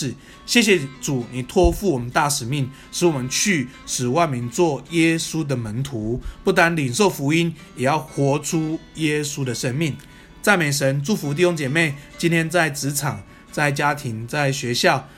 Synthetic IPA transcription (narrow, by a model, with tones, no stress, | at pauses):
ɕjɛ˥˩ɕ̬jɛ˨ʈ͡ʂu˨˩ni˨˩t̪ʰwɔ˥˧fu˥˩˨wɔ˨˩mə˨˦nt̪a˥˩ʂɻ̩˨˩mi˥˩ŋ | ʂɻ̩˧˥wɔ˨˩mə˦nt͡ɕʰy˥˩ | ʂɻ̩˨˩wa˥˩ɪmi˨˥nt͡swɔ˥˩jɛ˥su˥d̪ə˨mə˨˦nt̪ʰu˨˦pu˥˩t̪a˦˥nli˨˩nʂo˥˨˩ʊfu˧˥i˥njɛ˨˩jɑ˥˩ʊxwɔ˨˧˥ʈ͡ʂʰu˦jɛ˦˥su˦d̪ə˨ʂə˦˥nmi˥˩ŋ | t͡sa˥˩ɪme˨˩ɪʂ̬ə˧˦nʈ͡ʂu˥˩fu˧˦t̪̬i˥˩ɕo˥ŋt͡ɕjɛ˨˩me˥˩ɪt͡ɕi˥˦nt̪ʰjɛ˥nt͡sa˥˩ɪt͡sɻ̩˧˥˦t͡sʰɑ˨˩ŋ | t͡sa˥˩ɪt͡ɕja˦t̪ʰi˧˦˥ŋt͡sa˥˩ɪɕɥɛ˧˥ɕjɑ˥˨ʊ